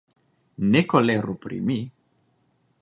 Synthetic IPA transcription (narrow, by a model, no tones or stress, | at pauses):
nekoleɾupɾḭmi